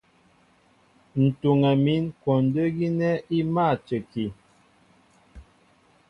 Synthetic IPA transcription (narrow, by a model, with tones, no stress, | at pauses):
n̩˨tu˨ŋa˨mi˨˦nkɔ˨n˨də˦ɡi˦nɛ˦i˦ma˦˨t͡ʃə˨ki˨